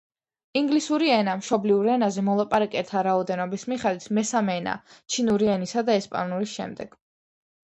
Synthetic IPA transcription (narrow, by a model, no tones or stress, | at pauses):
iŋɡlisuɾiɛnamʃɔbliuɾɛnazɛmɔlˠapʼaɾakʼɛt̪ʰaɾaɔd̪ɛnɔbismiχɛd̪it̪ʰmɛsamɛːna̰t͡ʃʰinuɾiɛnisad̪aɛspʼa̰nulisʃɛ̰md̪ɛɡ̥